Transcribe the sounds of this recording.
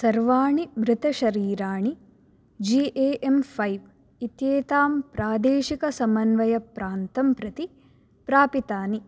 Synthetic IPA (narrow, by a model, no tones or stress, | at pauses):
sɐɾʋaːɳimɾɪt̪ɐʃɐɾiːɾaːɳi | d͡ʒiʔeːʔempʰɐjʋ | it̪jeːt̪aːmpɾaːd̪eːʃikɐsɐmɐnʋɐjɐpɾaːnt̪ɐmpɾɐt̪i | pɾaːpit̪aːni